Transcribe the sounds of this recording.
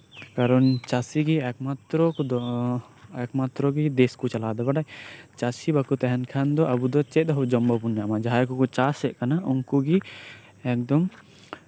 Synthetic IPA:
kaɾɔnt͡ʃasiɡiɛkmat̪ɾɔd̪ɔ | ɛkmat̪ɾɔɡid̪eskut͡ʃalaːd̪ɔbaɖajt͡ʃasibakut̪ɛɦɛnkʰand̪ɔʔabud̪ɔt͡ʃɛd̪ɔɦɔd͡ʒɔmbɔpunːaamad͡ʒaɦaɾkukɔt͡ʃasɛʔkanauŋkuɡi | ɛk̚d̪ɔm

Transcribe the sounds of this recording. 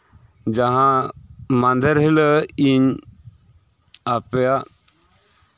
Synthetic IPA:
d͡ʒaɦãmand̪əɾɦiləiɲ | apɛja

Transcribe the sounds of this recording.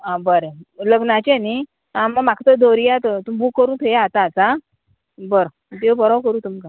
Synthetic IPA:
ãbəɾeləɡnat͡ɕẽni | ãməmakʰt̪əd̪ʱoɾijat̪ət̪umbʱukːəɾuːt̪ʰəjeat̪aːt͡sa | bəɾ | t̪ebɔɾawkəɾuːt̪umka

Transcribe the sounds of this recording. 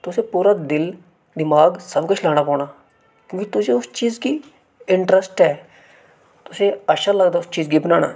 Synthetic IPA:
t̪ʊseːpuːɾaːd̪ɪl | d̪ɪmaːɡsəbkʊt͡ʃʰlaːɽ̃aːpɔːnaː | kjõːkit̪ʊseːʊst͡ʃiːzkiː | ɪɳʈɾəsʈɦɛː | t̪ʊsẽːəʃaləɡd̪aːʊst͡ʃiːzɡiːbnaːnaː

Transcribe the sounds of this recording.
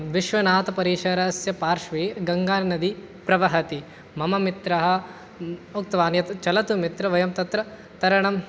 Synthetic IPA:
ʋiʃʋɐnaːt̪ɐpɐɾiːʃɐɾɐsjɐpaːɾʃʋiɡɐŋɡaːnɐnɐd̪i | pɾɐʋɐɦɐt̪i | mɐmɐmit̪ɾɐɦɐ̆ | uk̚t̪ɐʋaːnjɐt̪t͡ʃɐlɐt̪umit̪ɾɐʋɐjɐmt̪ɐt̪ɾɐ | t̪ɐɾɐɳɐm

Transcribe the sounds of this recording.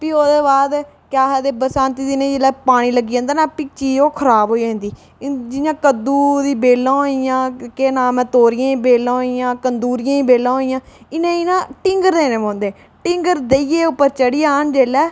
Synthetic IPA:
piːoːd̪eːbaːd̪ | kjaːɦɛːd̪eːbəsãːnt̪iːd̪inẽːd͡ʒeːlɛːpaːɽ̃iːləɡiːãːnd̪aːnaːpiːt͡ʃiːd͡ʒoːkʰəɾaːbɦoːiːd͡ʒãːnd̪iː | d͡ʒɪjãːkəd̪uːd̪iːbeːlãːɦoijãːkeːnaːmɛ̃ːt̪oːɾɪjãːiːbeːlãːɦoːijãːkənd̪uːɾɪjãːiːbeːlãːɦoːijãːɪnẽːɪnãːʈɪŋɡəɾd̪eːnẽːbãːnd̪eː | ʈɪ̃ŋɡəɾd̪eiːjeːʊpːəɾt͡ʃəɽijaːɦənd͡ʒeːlɛː

